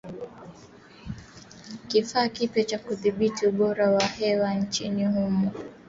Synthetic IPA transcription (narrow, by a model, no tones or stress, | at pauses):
kifaːkipjɛt͡ʃakuðiɓitiuɓɔɾawahɛwan̩t͡ʃinihumɔ